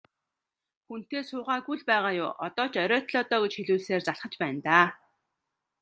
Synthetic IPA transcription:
xun̥t̪eːsʊːʁaːɡuɮpæːʁaːjʊ̰ːʔɔt̪ɔːt͡ɕœɾʲœːt̪ɮɔːt̪ɔːɡet͡ɕxiɮuːɮseːrt͡saɮχə̆t͡ɕpæːnt̪aː

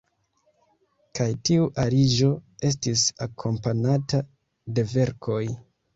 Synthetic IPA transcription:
kajtiuʔaɾid͡ʒo̞e̞s̬tisakʰo̞mpanata | de̞ve̞ɾkʰo̞j

